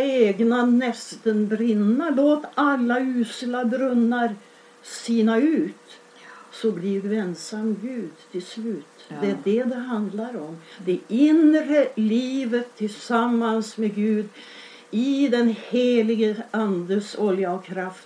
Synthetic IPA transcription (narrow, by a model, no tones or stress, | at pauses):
eːɡnanɛst̪ənbɾɪnːaloːt̪alːaʉːsɪlabɾɵnːaɾ | siːnaʉ̟ːt̪ | sɔbliːɾɛnsamːɡʉ̟ːd̪t̪ʰɪlslʉːt̪d̪ɛæɖɛd̪ɛɦand̪laɾɔmd̪ɛʔɪnɾəliːvət̪ʰːɪlsamːansmɛɡʉ̟ːd̪ | ɪd̪ɛnheːlɪɡəand̪əsɔljaɔkʰːɾaft̪